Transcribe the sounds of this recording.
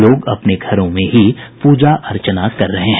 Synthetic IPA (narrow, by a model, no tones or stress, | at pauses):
loːɡɐpneɡʱɐɾõmẽɦipuːd͡ʒaʔɐɾt͡ʃənaːt̪kɐɾːɐɦeɦɛ̃